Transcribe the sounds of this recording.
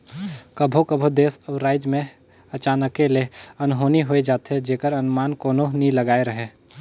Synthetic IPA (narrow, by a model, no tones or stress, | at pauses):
kəbʱokəbʱod̪eːsəɾaːɪd͡ʒmẽ | ɐt͡ʃaːnəkːeleɐnɦoːniɦoːed͡ʒaːt̪ɦɛd͡ʒeːkəɾɐnmaːnkoːnoniləɡaːeɾəɦeː